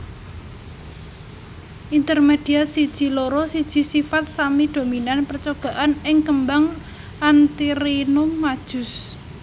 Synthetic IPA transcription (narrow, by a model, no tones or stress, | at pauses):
ʔint̪ərmed̪̥i̤asid̥ʒ̥i̤loɾɔsid̥ʒ̥i̤sifat̪̚samid̪̥o̤minanpərt͡ʃob̥a̤ʔanɪŋkəmbaŋ | ʔant̪iɾinʊmːad̥ʒ̥ʊ̤s